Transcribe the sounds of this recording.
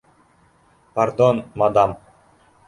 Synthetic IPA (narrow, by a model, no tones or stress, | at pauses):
paɾd̪onmad̪ɑm